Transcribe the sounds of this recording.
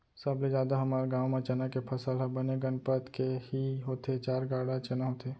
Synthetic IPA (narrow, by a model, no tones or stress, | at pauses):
səbled͡ʒaːd̪aɦəmaːɾɡãːwmẽt͡ʃənakepʰəsəlɦɛbəneɡənpət̪kehiɦoːt̪et͡ʃaːɾɡaːɽat͡ʃənaɦot̪eː